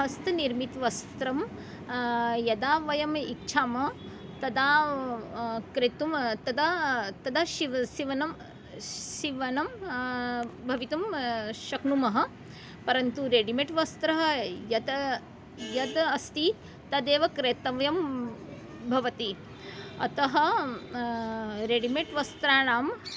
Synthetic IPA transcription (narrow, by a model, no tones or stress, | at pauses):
ɦɐst̪ʰɐniɾmit̪ʋɐst̪ɾɐm | jɐd̪aːʋɐjɐmitːʃʰaːmɐ | t̪ɐd̪aː | kɾet̪umt̪ɐd̪at̪ɐd̪ɐʃiʋɐʃiʋɐnɐm | ʃiʋɐnɐm | bʱɐʋit̪umʃɐknumɐɦɐ̆ | pɐɾɐnt̪uɾeːɖimeʈʋɐst̪ɾɐɦɐ̆jɐd̪ | jɐd̪ɐst̪i | t̪ɐd̪eːʋɐkɾeːt̪ɐʋjɐm | bʱɐʋɐt̪i | ɐ̰t̪ɐɦɐ̆ | ɾeːɖimeʈʋɐst̪ɾaːɳaːm